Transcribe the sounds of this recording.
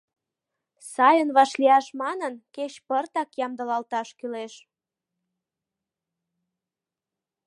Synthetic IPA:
sɑjənβɑʃliɑʃmɑnənket͡ɕpərt̪ɑkjɑmd̪əlɑlt̪ɑʃkyleʃ

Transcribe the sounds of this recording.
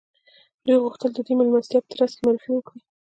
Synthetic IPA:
d̪ujɣʊxt̪əld̪əd̪umalmast̪jɑpə̥t̪ɾaskemaɾfiwəkɽi

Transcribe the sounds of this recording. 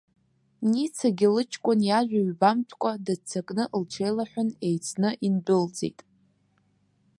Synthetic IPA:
nit͡sʰaɡʲɪlɨt͡ʃʰkʷʼonjaʒᶣaɥbamtʰkʷʼadɨt͡sʰakʼnɨʔlʈ͡ʂʰejlaħʷᶣʊnejt͡sʰnɨʔinbɨld͡zḛjtʼ

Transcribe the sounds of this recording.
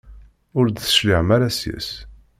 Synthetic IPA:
ʊɾd̪θə̥ʃlɪʕmæɾæsjæ̰s

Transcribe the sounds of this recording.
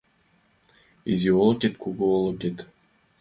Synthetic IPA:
ḭzʲiolˠokʲet̪kuɡuolˠokʲet̪

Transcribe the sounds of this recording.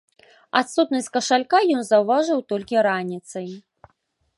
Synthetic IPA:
at̪sut̪nɐsʲtʲkɐʂalʲkajɔnzɐwvaʐɨwt̪ɔlʲkʲiɾanʲit̪sɐj

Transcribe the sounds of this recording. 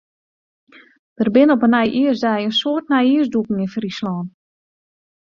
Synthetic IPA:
d̥ərbɪnɔpənɛjʔiəsdɛjənsoərt̚nɛjiəs̬dukŋ̩ɪnfrislɔːn

